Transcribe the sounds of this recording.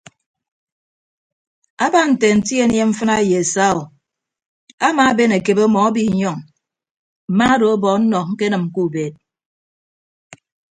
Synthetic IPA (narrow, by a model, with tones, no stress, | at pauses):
a˦ba˦n̩˨te˨n̩˨ti˦e˦nje˦ɱ̩˦fɨ˦na˦je˨e˨sa˦o˨ | a˦ma˨˦be˦ne˨ke˨bo˦mɔ˨a˦bi˦˨ɲɔ˦˨ŋ | m̩˨ma˦do˨o˦bɔ˨n̩˦nɔ˨k̚ŋ̩˦ke˦nɨ˨m̩˨ku˦˨be˨t̚